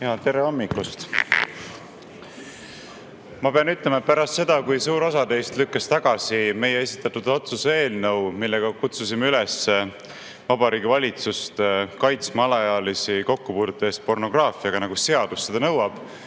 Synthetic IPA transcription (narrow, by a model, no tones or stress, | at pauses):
ehɑt̪e̞ɾeɑmːiklust̪ | mɑpe̞ɑnyt̪lemɑet̪pæɾɑst̪se̞d̪̥ɑkujsuːɾo̞sɑd̪e̞jst̪lykːɑst̪ɑɡ̥ɑsime̞jee̞sit̪ːˑɑt̪ːud̪̥o̞t̪susee̞ːlnɤwmilːeɡ̥ɑkut̪susimeylesː | vɑbɑɾiːɡivɑlʲit̪sust̪kɑjt̪smɑlɑjɑlisiko̞kːupuːd̪̥ut̪ːˑɑeːst̪̚po̞rno̞ɡ̥rɑːfiɑɡɑnɑɡ̥use̞ɑd̪̥ust̪se̞d̪ɑnɤwɑb̥